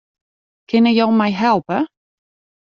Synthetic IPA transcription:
kʰɪnəjowmɛjɦɛlˠpə

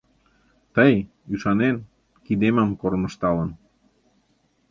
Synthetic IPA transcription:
t̪əj | yʃɑnen | kid̪eməmkoɾmə̆ʃt̪ɑlən

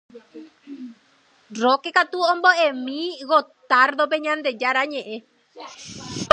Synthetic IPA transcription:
rokekat̪uomboʔemĩɣot̪aɾðop̬eɲãnd̪ed͡ʒaɾaɲẽʔẽ

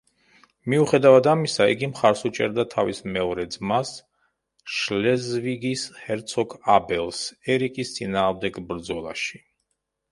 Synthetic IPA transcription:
miuχɛd̪avad̪amisaḭɡimχaɾsut͡ʃʼɛ̰ɾd̪at̪ʰavismɛɔɾɛd̪zmas | ʃlɛzviɡishɛɾt̪sʰɔkʰabɛlˠsɛɾikʼist̪sʼinaːʁmd̪ɛɡbɾd̪zɔlˠa̰ʃi̥

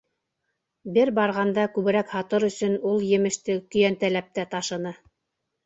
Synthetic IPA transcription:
bɘɾbɑɾʁɑnd̪ɑkʉβɘ̆ɾækhɑt̪ɤɾɵ̆sɵ̆nulˠjɘ̆mɘ̆ʃt̪ɘkɵ̆jænt̪ælæp̚t̪æt̪ɑʃɤ̆nɤ

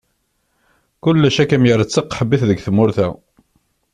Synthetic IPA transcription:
kʊlːæʃækæmjəɾət͡sːəqːħəbːiθðəɡθəmʊɾθæ̰

